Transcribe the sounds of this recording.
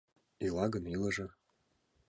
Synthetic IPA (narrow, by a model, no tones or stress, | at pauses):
ilɑɡə̆nilɤ̆ʒɤ̆